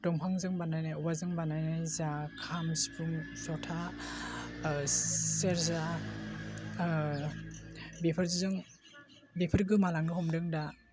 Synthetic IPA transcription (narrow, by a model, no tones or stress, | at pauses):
dɔŋpʰaŋzɯŋbanajnajɔbazɯŋbanajnajzakʰamsi̥pʰuŋsɔtʰa | seɾza | bipʰɯɾzizɯŋ | bipʰɯɾɡɯmalaŋɯhɔmdɯŋda